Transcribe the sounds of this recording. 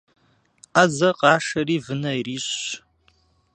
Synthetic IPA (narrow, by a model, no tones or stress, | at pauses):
azɐqʼɑːʂɐriːvɨnɐiriːɕ